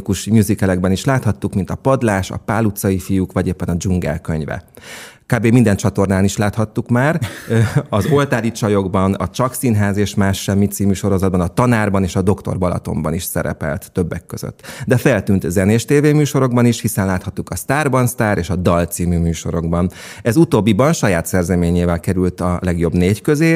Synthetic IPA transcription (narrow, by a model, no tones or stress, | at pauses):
kuʃmuzikɛlɛɡbɛniʃlaːt̪hɒt̪ːukmint̪ɒpɒd̪laːʃɒ̰paːlut̪sɒjifijukʋɒɟeːpːɛnɒd͡ʒuŋɡɛ̰lkøɲvɛ̰kaːbeːmind̪ɛnt͡ʃɒt̪o̞rnaːniʃlaːt̪hɒt̪ːukmaːr | ɒzo̞lt̪aːɾit͡ʃɒjo̞ɡbɒnɒt͡ʃɒksiːnɦaːzeːʃmaːʃːɛmːit̪siːmyːʃo̞ɾo̞zɒd̪bɒnɒt̪ɒnaːrbɒneːʃɒd̪o̞kt̪o̞̰rbɒlɒ̰t̪o̞̰mbɒniʃsɛɾɛ̰pɛ̰lt̪ːøbːɛkːøz̥ø̰t̪ːd̪ɛfɛlt̪yːnt̪zɛneːʃt̪eːveːmyːʃoɾo̞ɡ̚bɒniʃhisɛnlaːt̪hɒt̪ːukɒst̪aːrbɒnst̪aːɾʔeːʃɒd̪ɒlt̪siːmymyːʃo̞̰ɾo̞ɡbɒn | ɛzut̪oːbːibɒnʃɒjaːt̪sɛrzɛmeːɲeːvɛlkɛɾylt̪ɒlɛɡjo̞bneːckø̞zeː